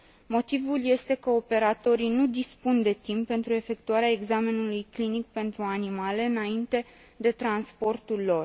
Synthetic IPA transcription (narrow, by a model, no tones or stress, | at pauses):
mo̞t̪ivulje̞st̪e̞kəo̞pe̞ɾat̪o̞ɾinud̪ispund̪e̞t̪impːe̞nt̪ɾue̞fe̞kt̪uaɾeae̞ɡzame̞nulujklinik̚pe̞nt̪ɾuanimale̞ɨnaint̪e̞ | d̪e̞t̪ɾanspo̞rt̪ulːo̞r